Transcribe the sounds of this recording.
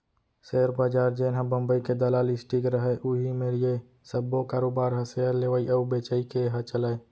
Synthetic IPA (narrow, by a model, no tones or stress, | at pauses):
seːɾbaːd͡ʒaːɾd͡ʒeːnɦãbəmbəiked̪əlaːlɪsʈikɾəɦɛʔʊɦimeɾje | səbːokaːɾoːbaːɾɦəseəɾleʋəiʔəubeːt͡ʃəikeɦət͡ʃəlae